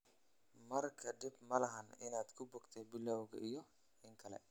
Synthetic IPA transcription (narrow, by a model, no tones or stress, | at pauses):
mɐrkʰɐɖɪbmɐlɐɦɐnɪnaːd̪kʰʊbɔːɡt̪ʰɛbɪlɔwɣɐ̰ʔijɔ | ɪŋkʰɐlɛ̰